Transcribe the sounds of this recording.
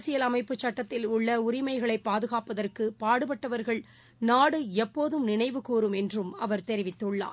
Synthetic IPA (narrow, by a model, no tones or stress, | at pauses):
sɪjɐlɐmɐɪpːɯt͡ʃːɐʈːɐt̪ːɪlʊɭːɐʊɾɪmɐɪɣɐɭɐɪpːaːðɯɣaːpɐðɐrkɯpaːɽɯpɐʈːɐʋɐɾɣɐɭ | naːɽɯɛpːoːðɯmnɪɳɐɪʋɯkuːɾɯmɛndrɯmɐʋɐɾt̪ɛɾɪʋɪt̪ːɯɭːa̰ː